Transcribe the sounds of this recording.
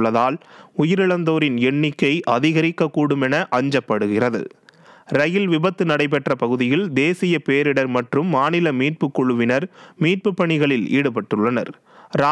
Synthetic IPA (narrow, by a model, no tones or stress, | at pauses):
ɐðaːlʊjɪɾɪɭɐnd̪oːɾɪnɛɳːɪkːɐɪʔɐðɪɣɐɾɪkːɐkːuːɽɯmɛnɐʔɐɲd͡ʒɐpːɐɽɯɣɪrɐðɯ̰ | ɾɐjɪlʋɪbɐt̪ːɯnɐɽɐɪp̬ɛʈrɐpɐɣɯðɪjɪld̪eːsɪjɐpeːɾɪɽɐɾmɐʈrɯmːaːnɪlɐmiːʈ̚pɯkːɔɻɯʋɪnɐɾmiːʈ̚pɯpːɐɳɪɣɐɭɪlḭːɽɯpɐʈːɯɭːɐnɐ̰ɾ | ɾaː